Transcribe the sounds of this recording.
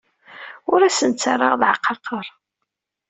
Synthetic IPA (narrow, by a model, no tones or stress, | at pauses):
ʊɾæsənt͡sːərˤːɑʁðʕəqːɑqːəɾˤ